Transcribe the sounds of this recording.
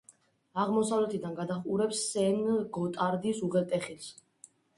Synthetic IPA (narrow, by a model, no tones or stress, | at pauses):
aʁmɔsavlɛt̪ʰid̪anɡad̪aχuɾɛpsːɛnɡɔt̪ʼaɾd̪isuʁɛlt̪ʼɛχils